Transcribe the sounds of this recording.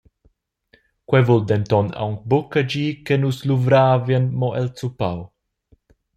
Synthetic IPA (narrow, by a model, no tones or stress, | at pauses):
kwɛvuld̪ɛnt̪ɔna̰wŋk̚bukad͡ʒiːkenusluvɾaːvjanmɔʔɛlt͡supa̰w